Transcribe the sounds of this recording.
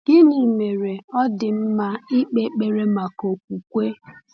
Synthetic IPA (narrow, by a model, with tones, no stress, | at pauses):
ɡ̥ɪ˦ni˨me˨ɾe˨ɔ˦dɪ˨m̩˦ma˦i˦k͡pe˦k͡pe˨ɾe˦ma˨ko˨k̚ʷu˨kʷe˦